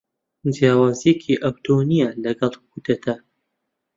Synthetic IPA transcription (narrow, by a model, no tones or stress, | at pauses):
d͡ʒjaːwaːzijekʰiʔɐwt̪ʰonijɐlɐɡɐlˠkud̪ɐt̪ʰɐ